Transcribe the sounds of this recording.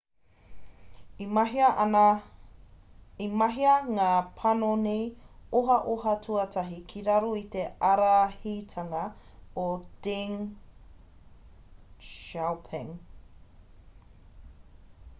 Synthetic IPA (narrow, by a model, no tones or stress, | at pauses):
imɐɦiɐʔnɐ | imɐɦiɐŋaːpʰɐnonejoɦɐʔoɦɐtʰuɐtʰɐɦikʰiɾɐɾoit̪eɐɾahitʰɐŋɐ | od̥ɪŋ | ʃawpʰɛŋ